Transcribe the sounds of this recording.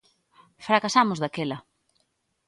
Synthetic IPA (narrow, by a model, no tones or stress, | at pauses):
fɾakasamʊzðakelɐ